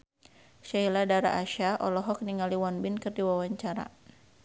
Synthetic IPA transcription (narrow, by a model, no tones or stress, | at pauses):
ʃailadaɾa̰ʔaʃaʔɔlɔɦɔk̚niŋaliwanbɪnkɨrdiwawaɲt͡ʃaɾa̰